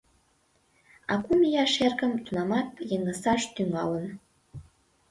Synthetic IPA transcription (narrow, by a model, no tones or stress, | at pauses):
ɑ̰kumijɑʃerkəmt̪unɑmɑt̪̚jəŋəsɑʃt̪yŋɑ̰lən